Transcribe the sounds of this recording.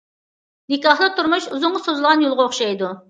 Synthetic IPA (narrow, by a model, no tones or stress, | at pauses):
nɪkɑχd̪ˠɨt̪ʰuɾmuʃuzʊŋɑsozlˠʁɑnjolˠʁɑoχʃɑjd̪u